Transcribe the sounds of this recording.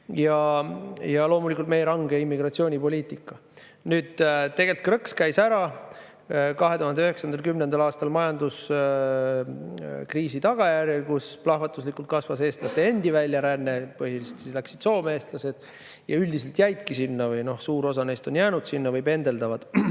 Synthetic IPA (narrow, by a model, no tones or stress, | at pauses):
jɑ | jɑlo̞ːmulikult̪me̞jeɾɑŋɡ̥eimːiɡrɑt̪sio̞ːnʲipo̞lʲiːt̪ˑikːˑɑ | nyːd̪̥t̪e̞ɡ̥e̞lt̪̚krɤkskæjsæɾɑ | kɑɦe̞t̪uhɑnd̪eyhe̞ksɑnd̪̥elkymnend̪ɑlɑːst̪ɑlmɑjɑnd̪us | kriːsit̪ɑɡ̥ɑjærjelkusplɑhvɑt̪ːˑuslikːˑult̪̚kɑsvɑse̞ːst̪lɑst̪e̞e̞nd̪ivælʲːjɑɾænːe̞pɤɦilist̪sislæksid̪̥so̞ːmeeːst̪lɑse̞d̪̥ | jɑ̰yld̪̥is̬e̞lt̪jæjd̪kisinːɑvɤjno̞hsuːɾo̞sɑne̞jst̪o̞njæːnud̪̥sinːɑvɯjpe̞nd̪e̞ld̪ɑvɑd̪̥